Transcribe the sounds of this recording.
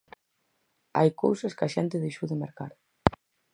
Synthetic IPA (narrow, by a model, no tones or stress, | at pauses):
a̰jko̰wsɐskɐʃɛnt̪ɪðejʃowðemeɾka̰ɾ